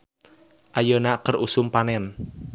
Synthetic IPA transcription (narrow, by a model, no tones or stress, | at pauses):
ʔajənakərusʊmpanɛn